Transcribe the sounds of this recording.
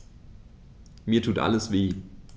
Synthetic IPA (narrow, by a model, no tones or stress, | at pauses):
miːɐtʰuːtʔa̰ləsv̥eː